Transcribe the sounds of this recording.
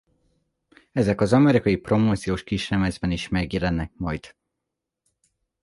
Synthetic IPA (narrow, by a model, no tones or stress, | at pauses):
ɛzɛkɒzɒmɛɾikɒjipro̞moːt̪sijoːʃkiʃrɛmɛzbɛniʃmɛɡjɛlɛnːɛk̚mɒjd̪̥